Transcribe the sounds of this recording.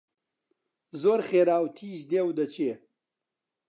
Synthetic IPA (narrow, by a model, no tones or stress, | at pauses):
zoːɾχeːɾaːwt̪ʰiːʑd̪ewd̪ɐt͡ɕeː